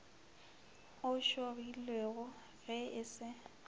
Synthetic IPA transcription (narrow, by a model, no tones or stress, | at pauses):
ʊʃobilweɣʊ | ɣɛɪsɪ